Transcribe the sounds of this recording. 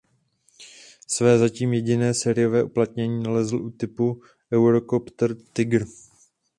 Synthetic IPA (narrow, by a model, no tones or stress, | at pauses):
svɛːzaciːmjɛɟɪnɛːsɛːɾɪjo̞vɛːʔuplat̪ɲɛɲiːnalɛzl̩ʔut̪ɪpu | ʔɛwɾokopt̪ɾt̪ɪɡɾ̩